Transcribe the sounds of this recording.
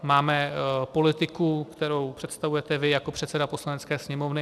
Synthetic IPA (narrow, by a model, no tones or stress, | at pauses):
maːmɛpo̞lɪt̪ɪkukt̪ɛɾo̞wpr̥ɛt̪st̪avujɛt̪ɛvɪjakopr̥ɛt̪sɛdaposlanɛtt͡skɛːsɲɛmovnɪ